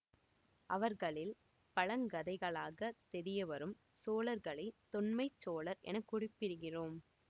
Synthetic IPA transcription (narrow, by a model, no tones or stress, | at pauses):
ʔɐʋɐɾɣɐɭɪl | pɐɻɐŋɡɐðɐɪɣɐɭaːɣɐt̪ɛɾɪjɐʋɐɾɯm | soːlɐɾɣɐɭɐɪt̪ːɔɳmɐɪt͡ʃːoːɭɐɾʔɛ̰nɐkːʊɽɪpːɪɾɯɣɪroːm